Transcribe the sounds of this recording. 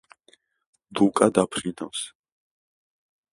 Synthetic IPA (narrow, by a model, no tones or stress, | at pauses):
d̪ukʼad̪apʰɾinaws